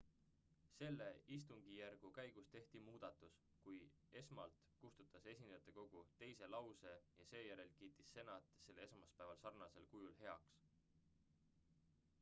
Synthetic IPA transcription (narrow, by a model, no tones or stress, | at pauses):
se̞lːe̞ist̪uŋɡ̥ijærɡ̥ukæjɡ̥ust̪e̞ht̪imuːd̪̥ɑt̪ːˑus | kuj | e̞smɑlt̪ | kust̪ut̪ːˑɑse̞sʲind̪̥ɑjɑt̪ːˑeko̞ɡ̥ut̪e̞jse̞lɑwse̞jɑse̞ːjæɾe̞lkiːt̪ːˑisːe̞nɑt̪ˑse̞lːee̞smɑspæevɑlsɑrnɑse̞lkujulɦe̞ɑ̰ks